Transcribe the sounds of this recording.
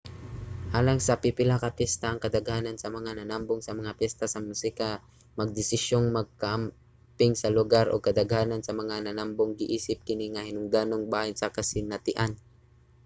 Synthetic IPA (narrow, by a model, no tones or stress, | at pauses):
ʔaːlɐŋsɐpipɪlakɐpjɛst̪aɐŋkɐd̪ɐɡhaːnɐnsɐmɐŋanɐnamboŋsɐmɐŋapjɛst̪ɐsɐmusɪka | mɐɡ̚d̪ɪsɪʃoŋmɐɡ̚kɐʔɐm | pɪŋsɐlʊɡaɾʔo̰ɡ̚kɐd̪ɐɡhaːnɐnsɐmɐŋanɐnamboŋɡɪʔiːsɪp̚kɪniŋɐhɪnʊŋd̪anoŋbaːhansɐkɐsɪnɐt̪ɪʔan